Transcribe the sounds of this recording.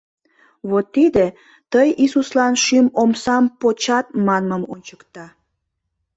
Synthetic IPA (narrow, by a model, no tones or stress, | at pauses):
βot̪ːid̪e | t̪əjisuslɑnʃymomsɑmpot͡ɕɑt̪̚mɑnməmonʲt͡ɕəkt̪ɑ